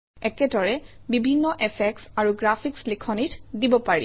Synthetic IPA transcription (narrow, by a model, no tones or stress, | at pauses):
ɛkɛdɔɹɛ | bibʱinːɔʔɛfʰɛksaɹuɡɹapʰikslikʰɔnitdibɔpaɹḭ